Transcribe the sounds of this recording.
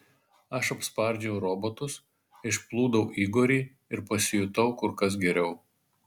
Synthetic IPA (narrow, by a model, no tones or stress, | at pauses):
ɐʃɐpspɐɾʲd͡ʒʲɛʊɾoːbot̪ʊs | ɪʃplˠuːd̪ɐʊʔiːɡoːɾʲiː | ɪɾpɐsʲɪjʊt̪ɐʊkʊɾkɐs̬ɡʲɛɾʲɛʊ